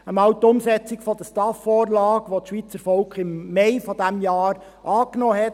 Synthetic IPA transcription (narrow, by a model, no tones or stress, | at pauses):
əmɑwt̪ʊmsɛt͡sɪkfɔd̥̪əstɑfoːɾlɑːɡʋotʃʋiːt͡səɾfɔlkχɪmːɛɪfɔdæmjɑːɾ | ʔɑːknɔːɦɛt